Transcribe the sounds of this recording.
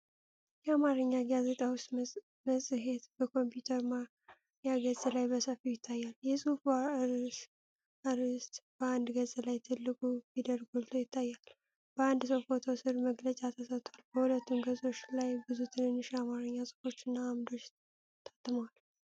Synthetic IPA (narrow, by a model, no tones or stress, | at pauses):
jɛamaɾɨɲːaɡaze̞t̪ʼawʊst̪ | məsʼɦe̞t̪b̥əkʰo̞mpjut̪ʰəɾma | jaɡəzʼelajbəsəfijɪt̪ʰːajːaljɛsʼufɾs | aɾɨst̪b̥əand̪ɡəzʼlajt̪ʰɨlːɨkʼubid̪əɾɡolt̪ʰo̞jɪt̪ʰːajːal | b̥əand̪sofot̪ʰo̞sɨɾməɡlət͡ʃʼat̪ʰəsət̪ʼwalb̥əhulət̪ːumɡəzʼo̞t͡ʃːlajbɨzut̪ʰɨnɨnːɨʃamaɾɨɲːasʼɨ̥fo̞t͡ʃːɨnːaːmd̪o̞t͡ʃː | t̪ʰat̪ʼːɨməwal